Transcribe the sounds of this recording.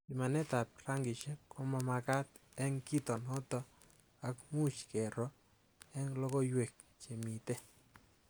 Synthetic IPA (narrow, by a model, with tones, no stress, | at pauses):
i˨ma˨nɛ˦t̪a˨p̚ɾa˦ŋɡi˨ʃe˦kɔ˦ma˧ma˧ka˦t̪ɛ˦ŋki˦t̪ɔ˨nhɔ˦t̪ɔ˦ | a˦kmu˦t͡ʃkɛ˨ɾɔ˦ | ɛ˦ŋlɔ˦ɡɔ˦jwe˨k̚ | t͡ʃe˨mi˨t̪e˦